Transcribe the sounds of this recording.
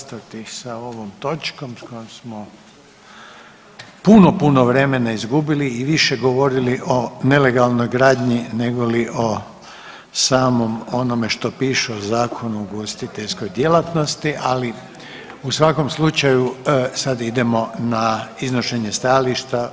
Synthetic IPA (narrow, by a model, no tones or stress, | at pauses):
st̪at̪isao̞ʋomt̪o̞t͡ʃko̞msko̞jomsmo | punopuno̞ʋɾe̞me̞naizɡubiliːʋiʃe̞ɡoʋo̞ɾiliʔo̞ne̞le̞ɡalˠno̞jɡɾaːd̪ɲine̞ɡo̞liʔo̞ | saːmo̞mo̞no̞me̞ʃt̪o̞piːʃuozaːkʰo̞nuuɡost̪it̪e̞ʎsko̞jd̪je̞lat̪no̞st̪iʔali | usʋako̞mslut͡ʃajusad̪id̪e̞mo̞naizno̞ʃeɲest̪ajaliʃt̪a